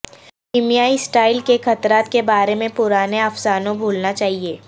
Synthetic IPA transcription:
kɪmijaːisʈaːɪlkexɐt̪ɾaːt̪kebaːɾemẽpʊɾaːneɐfsaːnõbʱuːlnat͡ʃaːɦieː

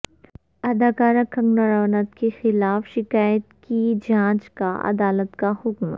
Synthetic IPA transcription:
ɐd̪aːkaːɾakɐ̃ŋɡnəɾəʋnət̪kexɪlaːfʃɪkaːjət̪kid͡ʒãːt͡ʃka̰ʔɐ̰d̪aːlət̪kahʊkm

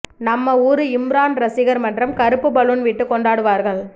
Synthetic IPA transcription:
nɐmːɐuːɾɯɪmɾaːnɾɐsɪɣɐɾmɐndrɐmkɐɾɯpːɯpɐɭɯnʋɪʈːɯkɔɳɖaːɽɯʋaːɾɣɐɭ

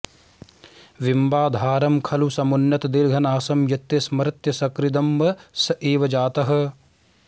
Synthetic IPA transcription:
ʋimbaːd̪ʱaːɾɐmkʰɐlusɐmunjɐt̪d̪iɾɡʱɐnaːsɐmjɐt̪jɐsmɐɾɐt̪jɐsɐkɾid̪ɐmʋɐsɐʔeːʋɐd͡ʒaːt̪ɐɦɐ̆

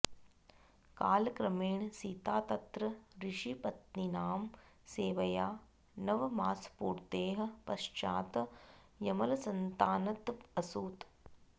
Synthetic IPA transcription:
kaːlkɾɐmeːɳsit̪aːt̪ɐt̪ɾɐɾiʂipɐt̪ninaːm | seːʋɐjaː | nɐʋmaːspuːɾt̪eːɦɐ̆pɐʃt͡ʃa̰ːt̪ | jɐmɐlɐsɐnt̪aːnɐt̪ɐsuːt̪

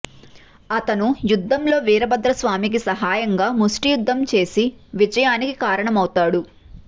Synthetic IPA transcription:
ɐt̪ɐnujud̪ʱːɐmlo̞ːʋiːɾɐbɐd̪ɾɐsʋaːmik̬isɐɦaːjɐŋɡaːmusʈijud̪ʱːɐmt͡ʃe̞ːsiʋid͡ʒɐjaːnikikaːɾɐɳɐmɐwt̪aːɽu

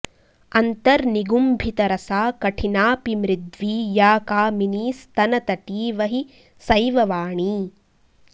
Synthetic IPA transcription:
ɐnt̪ɐɾniɡumbʱit̪ɐɾɐsaːkɐʈʰinaːpimɾid̪ʋiːjaːkaːminiːst̪ɐnɐt̪ɐʈiːʋɐɦi | sɐjʋɐʋaːɳiː

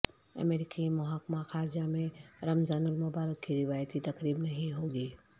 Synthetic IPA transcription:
ɐ̰mɛːɾɪkimʊɦaːkmaxaːɾd͡ʒamẽɾɐmzaːnʊlmʊbaːɾəkːiɾɪʋaːjət̪it̪ɐkɾiːbnɐɦĩɦoːɡiː

